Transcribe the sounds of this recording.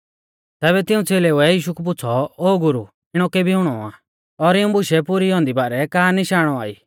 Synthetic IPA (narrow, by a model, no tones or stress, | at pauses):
t̪ɛːβɛt̪ɪ̃ũt͡seːleuɛjiːʃukup̬ʊt͡sʰɔoːɡʊɾu | ɪɽ̃ɔkɛbʱiɦʊɽ̃ɔa̰ː | ɔɾɪũbʊʃɛpʊɾiɔ̃ːnd̪ibaːɾɛkaːniʃaːɽ̃ɔaːḭː